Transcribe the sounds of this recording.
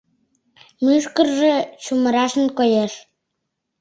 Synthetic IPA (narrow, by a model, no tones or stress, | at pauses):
mɯʃkə̆rʒĕt͡ɕumɤ̆ɾɑʃə̆nkojeʃ